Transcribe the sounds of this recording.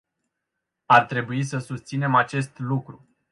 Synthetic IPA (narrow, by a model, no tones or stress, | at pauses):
art̪ɾe̞buis̬əsust̪sine̞mat͡ʃe̞st̪lukɾu